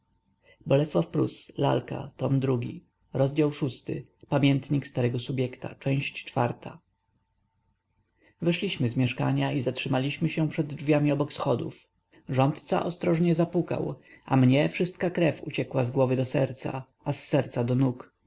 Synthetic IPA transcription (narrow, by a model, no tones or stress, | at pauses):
bɔlɛswafpɾṵsla̰lka̰t̪ɔmd̪ɾuɡʲḭ | ɾɔzd͡ʑawʂust̪ɘ̰pamʲjɛnt̪ɲikst̪aɾɛɡɔsubʲjɛkt̪a̰t͡ʂɛ̃w̃ɕt͡ɕt͡ʂfa̰ɾt̪ʰa | vɛʂlʲiɕmɘzmʲjɛʂka̰ɲaizatʂɘmalʲiɕmɘɕɛpʂɛd̪d͡ʐvʲjamʲiɔbɔksxɔd̪ṵf | ʐɔnt̪t̪sa̰ʔɔst̪ɾɔʐɲɛzapuka̰wʔa̰mɲɛfʂɘst̪kakɾɛfṵt͡ɕɛkwazɡwɔvɘd̪ɔsɛɾt̪sa̰ | asːɛɾt̪sad̪ɔnuk